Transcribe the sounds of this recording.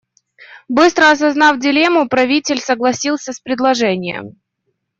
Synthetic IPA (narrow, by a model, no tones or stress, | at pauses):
bɨst̪ɾəɐs̬ɐznɑfdʲɪlʲe̞mʊpɾɐvʲitʲɪlʲsəɡlˠɐsʲilˠsʲəspɾʲɪd̪lˠɐʐɛnʲɪjə̰m